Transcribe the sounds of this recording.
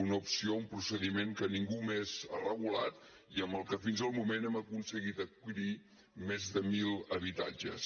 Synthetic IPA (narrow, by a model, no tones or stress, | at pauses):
unəupsioumpɾusəðimeŋkəniŋɡumeza̰rəɣula̰t̪ | iəmbəlˠkəfinzəlˠmumenɛməkunsəɣit̪əkiɾi | mezðəmilˠəβ̞it̪a̰d͡ʒə̰s